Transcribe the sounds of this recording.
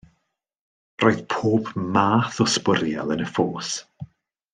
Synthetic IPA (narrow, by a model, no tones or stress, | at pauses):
roːɨð̥pʰoːpmaːθɔspəɾja̰lˠənəfoːs